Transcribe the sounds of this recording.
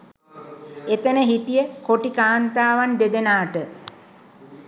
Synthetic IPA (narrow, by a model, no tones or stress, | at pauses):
et̪ənəɦiʈijəkoʈikaːnt̪aːʋand̪ed̪enaːʈə